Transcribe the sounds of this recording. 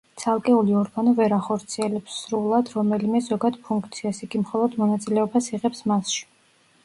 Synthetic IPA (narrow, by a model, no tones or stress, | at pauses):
t̪sʰalˠkʼɛuliɔɾɡanɔvɛɾaχɔɾt̪sʰiɛlɛpsːɾulˠad̪ɾɔmɛlimɛzɔɡad̪pʰuŋkʰt̪sʰiasiɡimχɔlˠɔd̪mɔnat̪sʼilɛɔbasiʁɛpsmasʃi̥